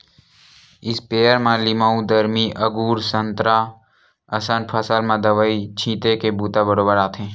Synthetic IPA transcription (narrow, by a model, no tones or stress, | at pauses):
ɪspeːəɾmãlɪmaːũd̪əɾmiʔəɡuːɾsə̃nt̪ɾa | ɐsanpʰəsalmãd̪əʋəit͡ʃʰĩːt̪ekebuːt̪abəɾoːbəɾaːt̪ʰẽː